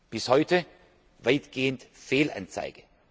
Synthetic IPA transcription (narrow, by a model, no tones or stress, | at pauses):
b̥ɪshɔʏtə | vaɪtɡ̥eːəntfeːlʔa̰nt͡sa̰ɪɡ̥ə